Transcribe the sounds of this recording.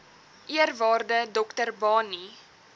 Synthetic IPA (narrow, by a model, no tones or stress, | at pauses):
ʔiərvɑːrdədɔktərbɑːni